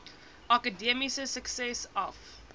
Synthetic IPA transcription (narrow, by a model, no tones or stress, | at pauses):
ʔakədɛmisəsəksɛsɐf